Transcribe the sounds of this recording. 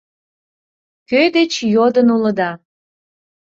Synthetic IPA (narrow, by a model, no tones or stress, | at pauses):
kød̪et͡ɕjod̪ənuləd̪ɑ